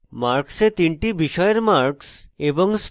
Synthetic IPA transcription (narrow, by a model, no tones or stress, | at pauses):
maɾkset̪iɳʈibiʃɔeɾmaɾkseboŋs